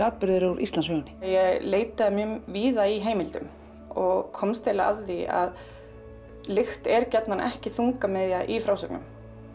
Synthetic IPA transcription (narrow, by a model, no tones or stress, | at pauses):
aːt̪̚pɪɾðʏɾauɾʔist̪anshœːɣʏnɪ̥jɛɣleːjt̪aðamjʏmviːðaiɦeːjmɪlt̪ʏ̰m | ɔɣkʰɔmst̪ʰɪla̰ððia̰ð | lɪxt̪ɛɾcɛt̪nanʔɛ̰hcɪθuŋkamɛðjaʔifɾaːwsɛknʏ̰m